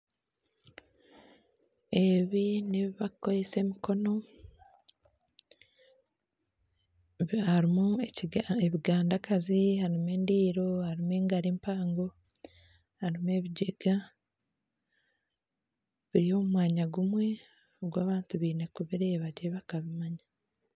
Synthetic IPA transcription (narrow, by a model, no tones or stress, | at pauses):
e̞βiniβiβakoɾese̞ːmiko̞no̞ | haɾimueeβiɡaːndakʰazihaɾimeːndiːɾo̞haɾimeːŋɡaɾiːmpaːŋɡo̞ | haɾime̞ːβiɟeɡ̥a | βiɾio̞mumwaːɲaɡumwe̞ | oɡwaːβaːntuβiːne̞kuβiɾeβaɟeβakaβimaɲa